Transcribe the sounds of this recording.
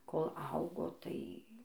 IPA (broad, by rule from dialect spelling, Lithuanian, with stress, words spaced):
koːlˠ ˈɐʊɡoː ˈtɐɪ